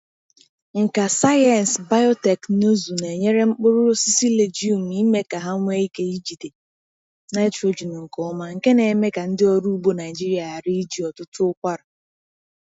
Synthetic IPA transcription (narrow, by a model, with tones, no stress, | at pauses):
ŋ̩˨ka˨sa˦jɛ˨n˨sba˦jɔ˦te˨kno˦zu˨ne˨ɲe˦ɾe˦ŋ͡m̩˦k͡pʊ˦ɾʊ˦ɾʊ˦si˦si˦le˨d͡ʒi˦u˦˨m̩˨i˦me˦ka˨ɦa˦ŋʷe˦i˦ke˦i˦d͡ʒi˨te˨ | na˦tɾo˨d͡ʒi˨nu˨ŋ̩˨ko˨ʊ˦ma˦ŋ̩˨ke˦ne˨me˦ka˨n̩˦dɪ˦ɔ˦ɾu˦u˦bo˦na˨ɪ˨d͡ʒi˦ɾi˨˦a˨a˨ɾi˦i˦d͡ʒi˨ɔ˨tʊ˦tʊ˦ʊ˦kʷa˦ɾa˨